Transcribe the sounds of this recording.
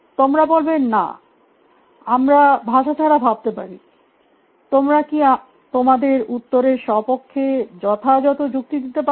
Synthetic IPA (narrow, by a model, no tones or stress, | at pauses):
t̪omɾabolbenːa̰ | amɾabʱaʃat͡ɕʰaɾabʱab̚t̪epaɾi | t̪omɾakia | t̪omad̪eɾut̪ːoɾeɾʃɔpokʰːed͡ʑɔt̪ʰad͡ʑɔt̪od͡ʑuk̚t̪id̪it̪epa